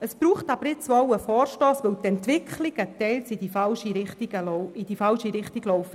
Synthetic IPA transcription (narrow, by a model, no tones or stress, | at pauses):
əsb̥ɾuːχtɑbəɾɪt͡sɔwəfɔːɾʃtɔːsʋəwtɛntʋɪkχlɪɡətɛɪlsid̥ifɑlʃiɾɪχtiɡəlid̥ifɑlʃiɾɪχtiɡlɔʊfə